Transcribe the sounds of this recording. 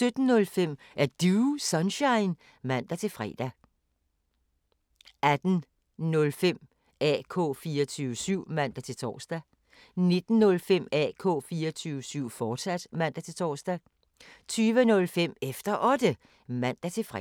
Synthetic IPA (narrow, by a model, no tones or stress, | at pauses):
sød̥n̩ːɔ̽lfem̰ʔæɐd̥usɒnɕɑ̈ɪn | mæn̰d̥æt͡sʰe̝lfʁɛ̰ːd̥æ | ʔæd̥n̩ | nɔ̽lfem̰ | ɛ̰kʰɔ̰ːfiːɐt͡sʰyːʊəsyʊ̰mæn̰d̥æt͡sʰe̝lt͡sʰɒ̰ːsd̥æ | ne̝d̥n̩ːɔ̽lfem̰ɛ̰ːkʰɔ̰̽ːfiːɐɒt͡sʰyːʊəsyʊ̰fɒːd̥sæd̥mæn̰d̥æt͡sʰe̝lt͡sʰɒ̰ːsd̥æ | t͡sʰyːʋənɔ̽lfem̰efd̥ɐʔɒ̽d̥ə | mæn̰d̥æt͡sʰe̝fʁɛ